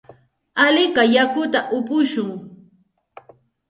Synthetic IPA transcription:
alɪkajakʊt̪aʔʊpʊʃʊŋ

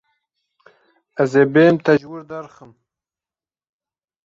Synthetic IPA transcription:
azebemt̪aʒwuɾd̪aɾχəm

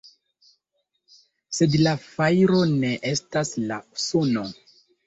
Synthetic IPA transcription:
se̞dlafajɾo̞ne̞ʔe̞stasla̰sono

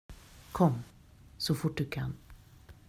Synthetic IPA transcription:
kʰɔmː | sɔfʊʈ̚ːɖɵkʰan

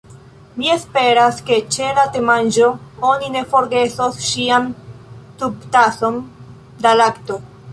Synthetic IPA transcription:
mie̞spe̞ɾaske̞t͡ʃe̞late̞mand͡ʒo̞o̞nine̞fo̞ɾɡe̞sosʃiamtub̚taso̞n | dalakto̞

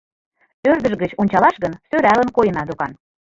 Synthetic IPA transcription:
ørd̪ə̆ʒɣət͡ɕonʲt͡ɕɑlɑʃɣənsøɾælə̆nkojə̆nɑd̪ukɑn

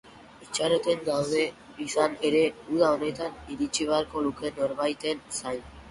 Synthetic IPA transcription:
it͡ʃaɾot̪e̞nɡ̪awðe̞ | isane̞ɾe̞uðaone̞t̪aniɾit͡ʃiβ̞aɾko̞luke̞no̞ɾβajt̪e̞nsajn

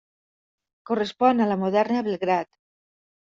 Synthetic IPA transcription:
korespɔnalamoðɛɾnaβelɣɾat̪

